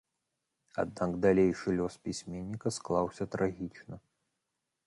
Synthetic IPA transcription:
a̰d̪̚naɡd̪alʲejʂɨlʲɔspʲisʲmʲenʲːikɐsklˠawsʲɐt̪ɾaɣʲit͡ʂnɐ

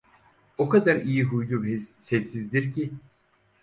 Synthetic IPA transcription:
okad̪aɾijiɦujlˠubezsesːizd̪iɾcʰi

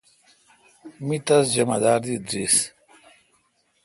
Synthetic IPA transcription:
mit̪ɐsd͡ʑɐma̰d̪aːɾd̪id̪ɾis

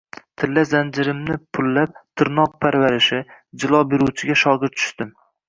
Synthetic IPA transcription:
t̪ʰɪlːazand͡ʒɪɾɪmnɪpʰʊlːap̚t̪ʰɪɾnɒq̚pʰaɾvaɾɪʃɪd͡ʒɪlˠɒbeɾuwt͡ʃʰɪɡʲaʃɒɡɨɾ̚t͡ʃ̪ʰʊ̥ʃt̪ɪm

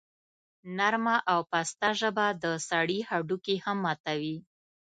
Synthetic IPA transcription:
naɾmaʔawpast̪aʒəbad̪əsaɽihaɖukehamːɑt̪awi

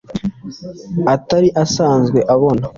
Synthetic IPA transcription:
ataɾiʔasaːnzɡwe̞ʔaβo̞na

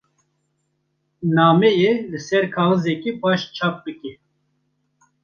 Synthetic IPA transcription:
nɑːmɛjelɨsɛɾkʰɑːɣɨzɛkipʰɑːʃt͡ʃʰɑːp̚bɨkɛ

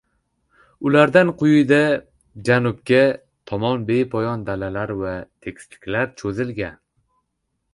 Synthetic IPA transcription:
ʊlaɾd̪anqʰʊjʊjd̪a | d͡ʒanʊp̚kʲa | t̪ʰɒmɒnbe̞jpʰɒjɒnd̪alalaɾvat̪ʰe̞kʲst̪ɪ̥kʲlaɾt͡ʃʰɵzɪlɡʲan

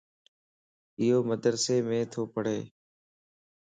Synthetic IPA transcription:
ɪɦoːməd̪ɾseːmẽːt̪ʰoːpəɽ̤eː

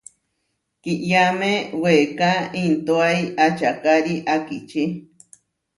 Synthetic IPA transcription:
kiʔjamẽwekaint̪oaiʔat͡ʃakaɾiʔakit͡ʃi

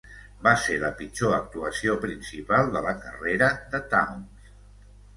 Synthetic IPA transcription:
baseləpit͡ʃoək̚t̪uəsiopɾinsipalˠd̪ələkə̰reɾəðət̪awms

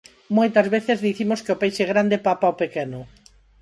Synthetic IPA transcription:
mojt̪ɐzβeθezðiθimoskeʊpejʃeɣɾand̪epapaopekɛnʊ

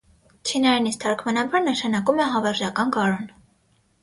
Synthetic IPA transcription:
t͡ʃʰinɑɾinist̪ʰɑɾkʰmɑnɑbɑɾnəʃɑnɑkumɛɦɑvɛɾʒjɑkɑnkɑɾɔn

